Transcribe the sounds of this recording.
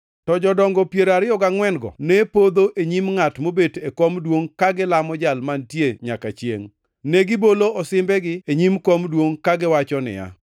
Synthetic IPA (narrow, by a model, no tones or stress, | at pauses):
tɔd͡ʒɔdɔŋɡɔpjeɾaɾɪɔɡaŋwɛnɡɔ̰nɛpod̪oʔeɲimŋatmobetekomdwoŋkaɡɪlamɔd͡ʒalmantjeɲakat͡ʃjḛŋ | nɛɡɪboloɔsɪmbɛɡɪeɲimkomdwoŋkaɡɪwat͡ʃɔnɪ̰ja̰